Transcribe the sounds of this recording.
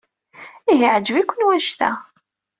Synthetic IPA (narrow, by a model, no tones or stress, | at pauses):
iɦiʕd͡ʒvikʷːənwænʃt̪æ̰